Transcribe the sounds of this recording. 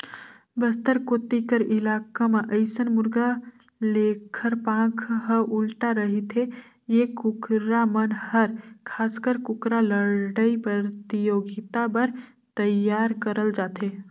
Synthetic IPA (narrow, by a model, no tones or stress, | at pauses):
bəst̪əɾkot̪ikəɾʔilakameʔəɪsənmuɾɡa | lekʰəɾpãkʰɦəʔulʈaɾəɦit̪ʰe | jekukɾamənhəɾkʰaskəɾkukɾaləɾɖəipɾət̪ijoɡit̪abəɾ | t̪əjjaɾkəɾəld͡ʒaːt̪e